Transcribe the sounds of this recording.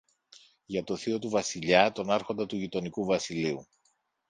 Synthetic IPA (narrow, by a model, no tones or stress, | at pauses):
ʝɐt̪o̞θio̞t̪uvɐsiʎɐt̪o̞nɐɾxo̞nd̪ɐt̪uʝit̪o̞nikuvɐsiliu